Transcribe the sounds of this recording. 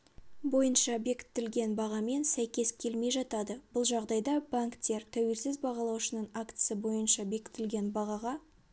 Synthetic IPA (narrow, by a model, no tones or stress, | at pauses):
bo̞jənʃɑbe̞kʲɪ̥t̪ːɪlɡʲe̞nbɑʁɑme̞nsæjkʲe̞skʲʰe̞lme̞jʒɑt̪ɑd̪əb̥ʊlˠʒɑʁd̪ɑjd̪ɑbaŋkt̪ʲːe̞ɾt̪ʰæwe̞lsɪzbɑʁɑlˠɑwʃənəɴakt̪ssəbo̞jənʃɑbe̞kʲɪ̥t̪ɪlɡʲe̞nbɑʁɑʁɑ